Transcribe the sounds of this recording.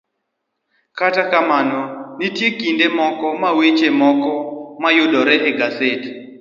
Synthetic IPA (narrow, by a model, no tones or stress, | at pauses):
katakamanɔnitjekindemɔkɔmawet͡ʃemɔkɔmajodɔɾɛʔɛɡaset